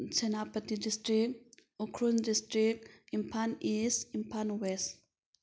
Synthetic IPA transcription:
t͡ʃɛnapət̪idistɾik̚ukʰɾundistɾik̚impʰanisimpʰanwɛs

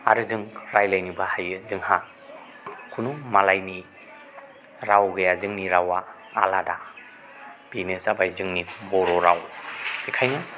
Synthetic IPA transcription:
a̰ɾɯzɯŋɾajlajnibahajɯzɯŋha | kʰunumalajni | ɾawɡɯjazɯŋniɾawa̰ː | lada | b̥inɯzabajzɯŋnibɔɾɔɾawb̥ikʰajna

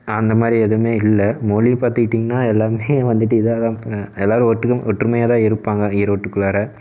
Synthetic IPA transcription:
ɐnd̪ɐmaːd̪ɾiɛðɯmeːɪlːɐmoːlipaːɾt̪ɪkɪʈːiːŋɡɐnːaːɛlːaːɾmeːʋɐnd̪ɯʈːɯɪðɯɐt̪ãːɛlːaːɾɯ̃ɔʈːɯkːɔʈːrɯmɐjaːt̪ãːɪɾɯpːaːŋɡɐɪɾʋɔʈːɯkːɯɭaːɾɐ

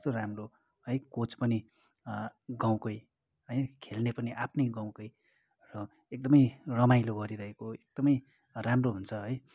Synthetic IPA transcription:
ʌst̪oramro | ɦʌjkot͡spʌni | ɡaw̃kʌj | ɦʌjnkʰelnepʌniʔapʰnʌjɡaw̃kʌj | rʌ | ek̚d̪ʌmʌjrʌmajloɡʌɾiɾʌɦekoek̚d̪̥ʌmʌj | ramroɦunt͡sʰʌɦʌj

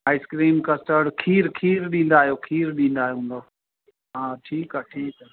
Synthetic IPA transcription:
ɦaːɪskɾiːmkəsʈəɽkʰiːɾkʰiːɾɗĩːn̆d̪aːɦijoːkʰiːɾɗĩːn̆d̪aːɦjoɦũːnd̪oː | ɦãːʈʰiːkaʈʰiːkaː

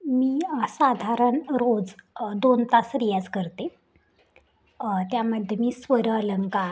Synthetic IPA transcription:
miːsad̪ʱaɾəɳɾod͡zd̪ont̪asɾijat͡skəɾt̪e | t̪jaməd̪ʱjemiːsʋəɾələŋka

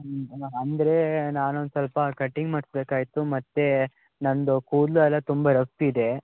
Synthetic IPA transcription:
ɐnd̪ɐɾe̞naːnond̪sɐlpɐkɐʈːiŋɡmɐːɽsbeːkaːjit̪umɐt̪ːe̞ | nɐnd̪ukuːd̪luɐlːɐt̪umbɐɾɐspiːd̪e̞

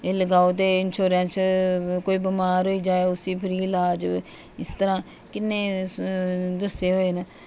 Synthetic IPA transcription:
eːləɡaːoːt̪eːɪnʃoːɾɛ̃ːnt͡ʃkoːiːbəmaːɾɦoːiːd͡ʒaːeːʊsiːpʰəɾiːlaːd͡ʒ | ɪst̪əɾãː | kɪnːẽː | d̪əsːeːɦoːeːnə

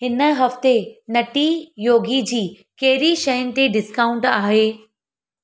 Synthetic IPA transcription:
ɦɪnə̆ɦɐft̪enɐʈijoːɡid͡ʑiː | kɐɦɪɾiʃɐjʊnɪ̆t̪eɖɪskaːʊ̃ɳʈaːɦeː

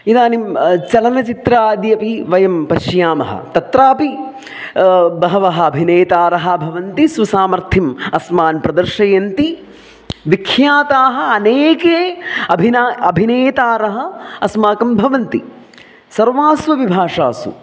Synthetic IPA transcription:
id̪aːnimt͡ʃɐlɐnɐt͡ʃit̪ɾaːd̪jɐpiʋɐjɐmpɐʃjaːmɐ̰ɦɐ̰t̪ɐt̪ɾaːpi | bɐɦɐʋɐɦɐ̆ːbʱineːt̪aːɾɐɦɐ̆bʱɐʋɐnt̪isʋɐsaːmɐɾt̪ʰimɐsmaːnpɾɐd̪ɐɾʃɐjɐnt̪i | ʋikʰjaːt̪aːɦɐ̆ɐneːkeːɐbʱinaɐbʱineːt̪aːɾɐɦɐ̆ɐsmaːkɐmbʱɐʋɐnt̪ḭ | sɐɾʋaːsʋɐʋibʱaːʂa̰ːsṵ

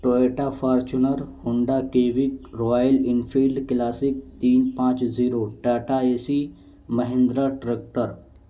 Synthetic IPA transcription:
ʈoeʈafaɾt͡ɕunəɾhuɳɖakeʋikɾɔjəlinfilɖklasik̚t̪iːnpãt͡ʃd͡ziɾoʈaʈaesi | məɦẽnd̪ɾaʈɾek̚ʈəɾ

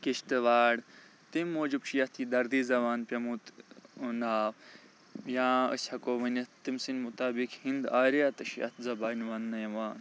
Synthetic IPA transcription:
kiʃt̪ɨʋaːɽ | t̪imːoːd͡ʒibʃʰijɐt̪ʰid̪ɐɾd̪iːzɐʋaːnpʲɐmut̪naːf | jãːə̰sʲhɐkoːmɐnɐt̪imsinmut̪aːbikhind̪aːɾijat̪ɐʃjɐ̰t̪zɐbaːnʋaːnːɐjɐʋaːn

